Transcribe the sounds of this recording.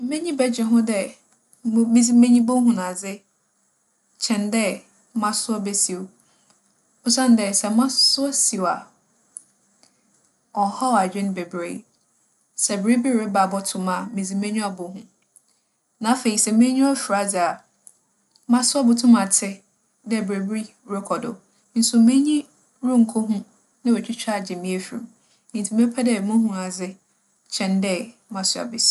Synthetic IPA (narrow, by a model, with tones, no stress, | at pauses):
m̩˦mẽ˦ɲĩ˦bɛ˦d͡ʑᶣɛ˨ɦʊ̃˦dɛ˦ | m˦mĩ˦d͡zi˦mẽ˦ɲĩ˦bo˦ɦũ˨nã˨d͡zɪ˦ | t͡ɕʰɛ̃˨ndɛ˦ | mã˨sʊ˦ɔ˦bɛ˦si˨o˨ | ʊ˦sã˦n˨dɛ˨sɛ˨˦mã˦sʊ˦ɔ˦si˨wa˨ | ɔ˨˦hɔ˦˨a˨d͡ʑᶣɪ˦ñ˦bɛ˨bɾḛ˨ | sɛ˨bɾi˦bi˦ɾɪ˨˦ba˨bɔ˦tʰʊ̃˨˦mã˨mĩ˨d͡zi˨mẽ˦ɲũ˦a˨bʊ˨ɦũ˨ | nã˨˦fe˨ɾi˨sɛ˨mẽ˦ɲũ˦ɔ˦fi˨ɾa˨d͡zɪ˨a˨ | mã˦sʊ˦a˦bʊ˨tʰʊ̃˦mã˨tʰɪ˦ | dɛ˦˨bɾe˨bi˦ | wɾe˦kʰɔ˨dʊ̰˨ | n̩˦sʊ˨mẽ˦ɲĩ˦ | ɾũ˦ŋ̩˨kʰʊ˦ɦʊ̃˦ | nã˦wɛ˨t͡ɕᶣi˦t͡ɕʰᶣa˦˨d͡ʑɛ˨mĩ˦e˨fḭ˨ɾ | nĩ˨n˨tʰi˨me˦pʰɛ˦dɛ˦˨mʊ̃˦ɦũ˦a˨d͡zɪ˦ | t͡ɕʰɛ̃˨ndɛ˦mã˨sʊ˦a̰˨bɪ˨s